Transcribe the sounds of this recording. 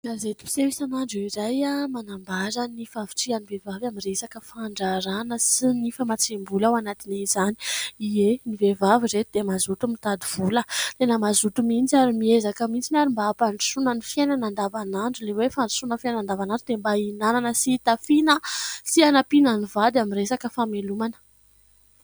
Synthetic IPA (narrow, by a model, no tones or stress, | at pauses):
ɡazet̪u̥pi̥sewisanaɳɖ͡ʐiiɾajamanambaɾənifavi̥ʈ͡ʂianivevavamiresakəfaɳɖ͡ʐaɾanəsinifəmat͡sembulawanat̪inizani̥ienivevaviret̪id̪emazut̪umit̪ad̪iv̥ulət̪enəmazut̪umint͡saɾimiezakəmit͡sinaɾimbaːpaɳɖ͡ʐisunənifenanand̪avanaɳɖ͡ʐulewefaɳɖ͡ʐi̥sunəfennand̪avanaɳɖ͡ʐud̪embainananəsit̪afinəsianapinanivad̪amiɾesakəfamelumanə̥